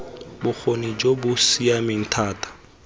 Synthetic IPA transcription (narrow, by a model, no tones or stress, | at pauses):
bʊk͡xʰonid͡ʒobʊsiamɪn̩tʰaːtʼḁ